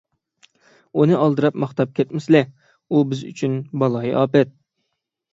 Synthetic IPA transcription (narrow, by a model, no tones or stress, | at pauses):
unɨʔɑlˠd̪ɨɾɑpmɑχt̪ɑp̚kʲʰɛt̪mɪslɪ | ubɪzy̰t͡ʃʰynbɑlˠɑjʔɑːpɛt̪̚